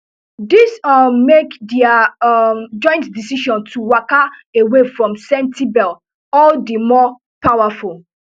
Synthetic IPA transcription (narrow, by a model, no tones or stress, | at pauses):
disɔmekdia | d͡ʒɔ̃ɪ̃ntdisiʃɔ̃ntʰuwakaewefɹɔ̃msɛ̃ntibɛl | ɔldəmɔ | pawaful